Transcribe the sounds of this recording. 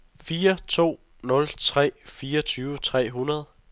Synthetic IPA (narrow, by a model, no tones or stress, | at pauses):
fiːɐt͡sʰo̝̰ː | nɔ̽lt͡sʰʁɛ̰ːfiːɐʌt͡sʰyːʊət͡sʰʁɛ̰ːɦunɐðˠ